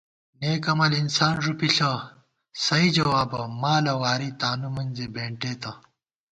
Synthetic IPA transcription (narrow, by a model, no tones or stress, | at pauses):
neːkɐmɐlinsaːnʐupiɬɐ | sɐid͡ʑɐwaːbɐmaːlɐwaːɾit̪aːnumɐnzebeːɳʈeːt̪ɐ